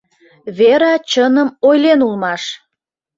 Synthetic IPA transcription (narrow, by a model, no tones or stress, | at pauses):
βeɾɑt͡ɕənəmojlenulmɑʃ